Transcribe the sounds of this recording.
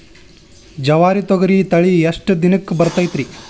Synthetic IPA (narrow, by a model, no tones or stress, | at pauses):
d͡ʒɐʋaːɾit̪ɔɡɐɾit̪ɐɭijɐʂʈɐd̪inɐkːbɐɾt̪ɐjt̪ɾi